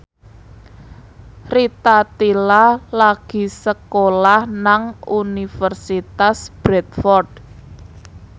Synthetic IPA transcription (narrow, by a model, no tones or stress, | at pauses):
rit̪at̪ilalaɡ̥i̤səkolahnaŋunifərsit̪asb̥ɾɛt̪fɔrd̥